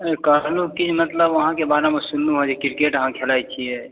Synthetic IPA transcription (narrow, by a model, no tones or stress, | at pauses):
ekənukit͡ʃʰmət̪ləbəɦãkebaɾamesunːuɦod͡ʒekiɾkeʈəɦãkʰelajt͡ʃʰiɛ